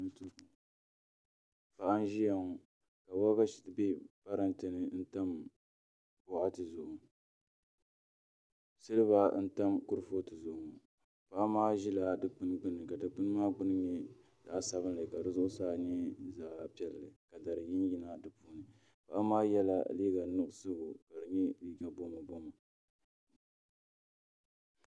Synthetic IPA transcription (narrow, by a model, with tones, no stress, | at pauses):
ntu˦˨ | pa˨ʔa˦n˦ʒi˦ja˨ŋu˨ | ka˨wa˦ka˦ʃi̥˨tbe˦pa˦ɾa˦ntɨ˨nɨ˨˦n̩˦ta˦m | bʊ˦ʔa˦tɨ˨zʊ˨ʔ | sɨ˦lɨ˦βa˦n̩˦ta˦mkʊ˦ɾfo˦tɨ˨zʊ˨ʔʊ˨ŋ˨ | pa˦a˦maː˦ʒi˦la˨dɨ˨k͡pɨ˦nɡ͡bɨ˦nɨ˨ka˨dɨ˨k͡pɨ˦n˦maː˦ɡ͡bʊ˦n˦ɲɛ˦ | d̥a˨˦sa˨βɨ˦nlɨ˨ka˨dɨ˨zʊ˦ʔʊ˦saː˦ɲɛ˦zaː˨la̰˨pi˦ɛ˦llɨ˨ka˨da˨ɾɨ˨jɪ˦n˦ji˦na˦dɨ˨puː˦nɨ˨ | pa˦ʔa˦maː˦jɛ˦la̰˦liː˦ɡa˨˦nʊ˦˨ʔsɨ˦ɡʊ˨ka˨dɨ˨ɲɛ˦liː˦ɡa˨bo˦ma˨bo˦ma˨